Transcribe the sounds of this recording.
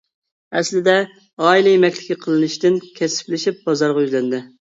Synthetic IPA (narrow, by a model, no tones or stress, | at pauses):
ɛslɪd̪ɛ | ɑːilˠɨjemɛkʲlɪ̥kʲiqʰəlˠɨnɨʃt̪ɪnkʲʰɛsɪ̥plɪʃip̚bɑzɑɾʁɑjyzlɛnd̪ɪ